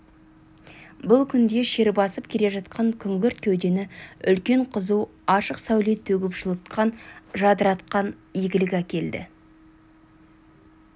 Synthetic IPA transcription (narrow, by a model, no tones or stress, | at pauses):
bʊlˠkʲʰʏnd̪e̞ʃe̞ɾbɑsəp̚kʲʰe̞le̞ʒɑt̪qʰɑŋkʲʰʏŋɡʲɪɾt̪̚kʲʰɵwd̪e̞nɪʏlkʲe̞ɴqʰəzuwɑʃəqsæwlet̪ʰːɵɡʲɪpʒəlˠət̪qɑnʒɑd̪əɾɑt̪qɑnjeɡʲɪlɪkʲækʲe̞ld̪ɪ̰